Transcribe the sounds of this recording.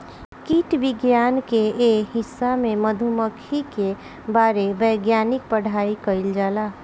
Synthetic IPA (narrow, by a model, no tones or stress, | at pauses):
kiʈʋɪɡjaːnkeɦɪsːamẽməd̪ʱuməkʰike | baːɾebəjɡjaːnɪk̚pəɽ̤aːikəɪld͡ʒaːlaː